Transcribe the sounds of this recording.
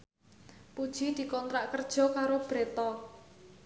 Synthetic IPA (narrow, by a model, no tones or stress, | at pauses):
pud̥ʒ̥i̤d̪̥i̤kɔnt̪ɾaʔkərd̥ʒ̥ɔ̤kaɾob̥ɾet̪ɔ